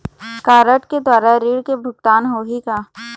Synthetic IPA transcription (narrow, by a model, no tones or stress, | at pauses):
kaːɾəʈked̪waːɾaɾiːɽkebʱʊɡ̚t̪aːnɦoɦikaː